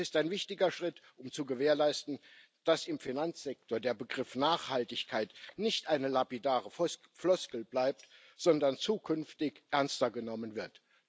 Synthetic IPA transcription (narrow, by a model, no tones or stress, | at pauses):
ɪstaɪnvɪçtɪɡɐʃʁ̥ɪtʔʊmt͡suɡəveːɐlaɪstn̩ | d̥asɪmfinant͡sz̥ɛk̚toːɐdeːɐbəɡʁɪfnaːχhaltɪçkʰaɪtnɪçtʔaɪnəlapidaːʁə | flɔskl̩b̥laɪp̚t | z̥ɔndɐnt͡suːkʰʏnftɪçʔɛɐnstɐɡənɔmənvɪɐt